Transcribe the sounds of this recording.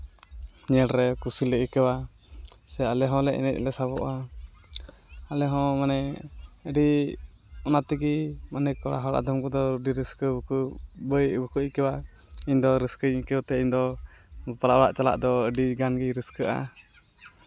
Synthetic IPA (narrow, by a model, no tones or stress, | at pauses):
ɲɛlɾɛkusiləikəwa | sɛalɛɦɔ̃lɛʔɛ̰nɛt̪̚lɛsaβɔ̰ʔa | alɛɦɔ̃manɛəɖi | ɔnat̪iɡimanɛkɔɽa̰ɦɔɽa̰ʔd̪ɔmkɔd̪ɔɖiɾəskəkbəjbəkuʔikəwa | iɲd̪ɔɾəskəɲikəwt̪ɛiɲd̪ɔ | palaɔɽa̰ʔt͡ʃala̰ʔd̪ɔəɖiɡanɡiɾəskəʔa̰